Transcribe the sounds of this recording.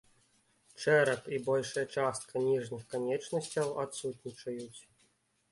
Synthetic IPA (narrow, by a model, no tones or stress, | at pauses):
t͡ʂɛɾɐpibɔlʲʂɐjɐt͡ʂast̪̚kʰɐnʲiʐnʲɨxkanʲɛt͡ʂnɐsʲt͡sʲɐwat̪sut̪ʲnʲit͡ʂɐjut͡sʲ